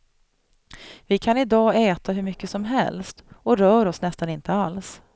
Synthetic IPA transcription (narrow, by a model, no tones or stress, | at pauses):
vɪkʰanɪd̪ɑːɛːt̪ʰaɦɵɾmʏkːəsɔmɦɛ̰lst̪ɔɾœːɾɔsnɛst̪anɪnt̪əals